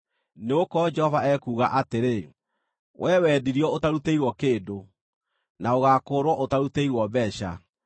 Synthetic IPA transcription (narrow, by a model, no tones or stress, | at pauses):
neokɔd͡ʒɛhɔvaɛkuːɣaʔateɾe | wʔɛːwɛːdiɾiɔotaɾuteiɾwɔkeːdo | naoɣaːkoːɾwɔʔotaɾuteiɾwɔbɛɕa̰